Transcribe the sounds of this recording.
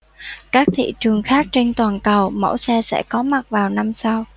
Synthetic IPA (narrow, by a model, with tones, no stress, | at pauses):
kaː˦˥k̚t̪ʰḭ˧˨t͡ɕɨ˨˩əŋxaː˦˥k̚t͡ɕe˧nt̪waː˨˩nkə˨˩wmə̰˧˩wsɛ˧sɛ̰˧˥kɔ˨˦ma˨˩t̚vaː˨˩wna˧msa˧w